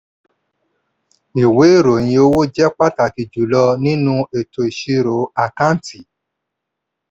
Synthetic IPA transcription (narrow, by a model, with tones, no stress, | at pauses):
i˨we˨˦i˦˨ɾo˨j̃ĩ˧o˦wo˦d͡ʒɛ˦k͡pa˦˨ta˨ki˧d͡ʒu˨˦lɔ˧nĩ˦nũ˦e˨to˧i˨ʃi˧˦ɾo˨˦a˨kã˦n˨tʰi˨